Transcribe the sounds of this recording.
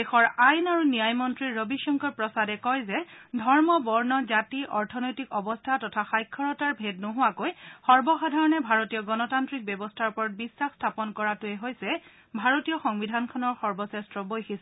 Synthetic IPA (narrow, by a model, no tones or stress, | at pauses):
exɔɹajnaɹunijajmɔntɹiɹːobiʃɔŋkɔɹpɹɔsadɛkɔjzɛdʱɔɹmɔbɔɹnɔzatiʔɔɹtʰɔnojtikɔbɔstʰatɔtʰaxajkʰːɔɹɔtaɹbʱednoɦʊakojxɔɹbɔxadʱaɹɔnɛbʱaɹotijɔɡɔnɔtantɹik̚bjɔbɔstʰaɹpɔɹɔt̚bisːaxstʰapɔnkɔɹatʊɛɦojsɛ | bʱaɹotijɔxɔŋbidʱankʰɔnɔɹxɔɹbɔsɛstɹɔbojxisɛ